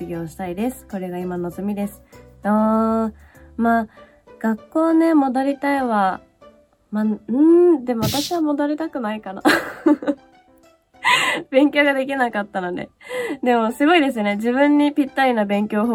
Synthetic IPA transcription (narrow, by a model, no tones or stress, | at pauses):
ɨɡʲo̞ːɕi̥t̪aid̪e̞sɨ̥ko̞ɾe̞ɡaimano̞zomʲid̪e̞sɨ̥oː | maː | ɡ̥akːo̞ːne̞mo̞d̪oɾʲit̪aiβa | maɯ̟̃d̪e̞mo̞βat̪aɕiβamo̞d̪oɾʲit̪akɯ̟naikana̰ | b̥ẽ̞ŋkʲo̞ːɡad̪e̞kʲinakat̪ːanod̪e̞̰d̪e̞mo̞sɨɡo̞id̪e̞sɨjone̞d͡ʑiβɯ̟̃ɲ̟ːipʲit̪ːainabẽ̞ŋkʲo̞ːɦo